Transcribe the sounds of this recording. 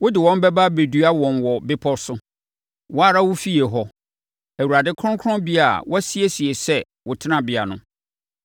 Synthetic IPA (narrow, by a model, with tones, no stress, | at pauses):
wʊ˦dɪ˨wɔ̃˦m˦bɛ˦ba˦be˨dɥa˦wɔ̃˨nwɔ˨bɪ˦pʰɔ˦sʊ˦ | wʊ˦a˦ɾa˦wʊ˦fi˦e˨ɦɔ˦ | æ˨wu˨ɾa˨dɪ˦kʰɾʊ̃˦kʰɾɔ̃˦bi˦a˨wʔɔ˦si˦e˦si˨e˨sɛ˦ | wʊ˨tʰɪ˦nã˨bɪ˨a̰˨nʊ̰̃˦